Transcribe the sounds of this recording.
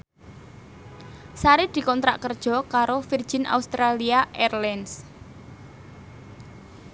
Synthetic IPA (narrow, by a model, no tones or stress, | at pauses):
saɾɪd̪̥i̤kɔnt̪ɾa̰ʔkərd̥ʒ̥ɔ̤kaɾofird̥ʒ̥i̤nʔa̰ust̪ɾaliaʔɛrlɛns